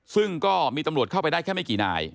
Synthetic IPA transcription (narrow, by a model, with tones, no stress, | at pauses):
sɯ˥˩ŋkɔː˥˩miː˧t̪a˧mɾu˨˩ət̚kʰa˥˩wpa˧jdaː˥˩jkʰɛ˥˩ma˥˩kiː˨˩na̰ː˧j